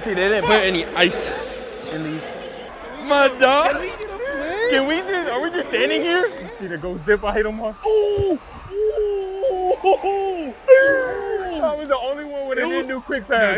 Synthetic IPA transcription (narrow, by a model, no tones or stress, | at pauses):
sidɪdⁿn̩tpʊɾɛniʔaɪs | ɨ̃nliv̥ | mʌdɑ | kɨ̃nwid͡ʒʌə˞wid͡ʒʌstæ̃ndɪ̃ŋhiɹ | siðɨt̚ɡ̥oʊzdɪpaɪheɪɾəmɔo | ət̚wʌzðiõʊ̃nliwʌ̃nwɨ̃nɨdɪn̩dɨkʰw̥ɪk̚bæ